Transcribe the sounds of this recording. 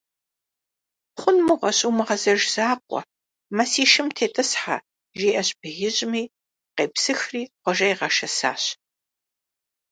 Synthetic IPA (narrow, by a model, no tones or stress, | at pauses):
χʷʊnmuʁʷɐɕʼuːmɨʁɐzɐʒz̥aːqʷʼɔ̰ | mɐsiːʃɨmtʰeːtʼɨsħa̰ | ʒiːʔɐɕbɨɣɪʑʼmiː | qeːpsɨxriːqʷɔʒɐjʁɐʃɐsa̰ːɕ